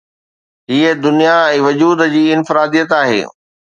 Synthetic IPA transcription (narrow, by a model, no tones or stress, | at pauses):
ɦiːed̪ʊnijaɛ̃ːʋɐd͡ʑuːd̪d͡ʑiːɪnfɪɾaːd̪ijət̪aːɦḛː